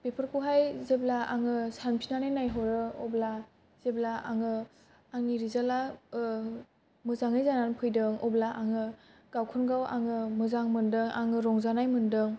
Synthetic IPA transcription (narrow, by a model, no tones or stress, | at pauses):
pepʰɯɾkʰuɦajzeblaaŋɯsanpʰinanajnajɦɔɾɯɔbla | z̥eblaaŋɯː | ŋniɾizala | mɯzaŋɯjzananpʰɯjdɯŋɔblaʔaŋɯ | ɡ̥awkʰɯnɡawa̰ŋɯmɯzaŋmɯndɯŋa̰ŋɯɾɔŋzanajmɯndɯŋ